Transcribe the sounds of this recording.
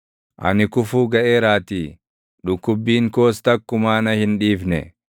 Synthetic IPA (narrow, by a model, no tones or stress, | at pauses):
ʔɐ̰nɪkʊfuːɡɐʔeːɾaːt̪iː | ᶑʊkːʊbːiːŋko̞ːst̪ɐkːʊmaːnɐhɪnᶑiːfnɛ̰